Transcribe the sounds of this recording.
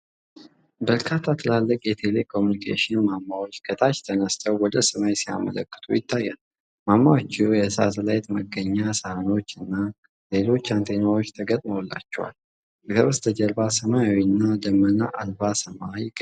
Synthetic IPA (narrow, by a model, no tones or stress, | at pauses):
bəɾkʰat̪ʰːat̪ʰɨlalːəkʼjɛt̪ʰe̞le̞kʰo̞munikʰḛʃɪnmamːawot͡ʃːɡʰət̪ʰʼat͡ʃt̪ʰənəst̪ʰəwwɔd̪əsəmajsija̰mə̰lə̰kʼːɨ̥t̪ʰṵjɪt̪ʰːajːa̰n | mamːawot͡ʃːɪojɛsa̰səlajt̪məɡəɲːasəhno̞t͡ʃːɨnːa | le̞lo̞t͡ʃːant̪ʰenawot͡ʃːt̪ʰəɡət̪ʼməwlːa̰t͡ʃːɛwa̰l | kəβəst̪ʰəd͡ʒəɾbasəmajawinːad̪əmːənaʔalbasəmaik